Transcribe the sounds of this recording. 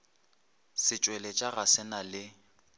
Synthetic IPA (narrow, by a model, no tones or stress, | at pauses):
sɪt͡ʃʼwɛlɛt͡ʃʼaɣasɛnalɪ